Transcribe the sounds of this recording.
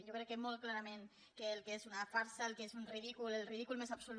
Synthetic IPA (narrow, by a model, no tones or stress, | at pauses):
jokɾɛkːemolˠklaɾamẽn | keːlˠkezunafaɾsaelˠkeszunriðikulelˠriðikulmezapsul